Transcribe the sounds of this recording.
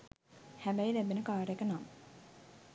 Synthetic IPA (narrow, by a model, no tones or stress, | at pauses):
hæbæjlæbenəkaːɾekənam